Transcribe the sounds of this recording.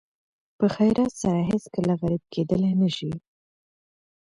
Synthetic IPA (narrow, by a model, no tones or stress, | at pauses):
pəxajɾʔɑt̪saɾaɦɪskəlaɣaɾib̚kʰed̪əlenəʃi